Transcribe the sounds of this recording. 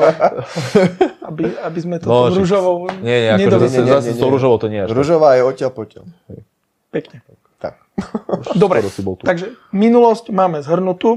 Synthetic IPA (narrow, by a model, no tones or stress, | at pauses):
abiabizmɛt̪ɔɔɔɾuʒɔʋɔʊɲɛɲɛakɲɛɔd̪ɲɛɲɛasɲɛɔɔɾuʒɔʋɔt̪ɔɲɪɛɾuʒɔʋaːjɛɔcɪɛlpɔcɛ̰lɛ | pɛkɲɛ | t̪a̰k̚ | d̪ɔbɾɛɔsibɔlt̪uaɡʒɛminulɔscmaːmɛzɦr̩nut̪u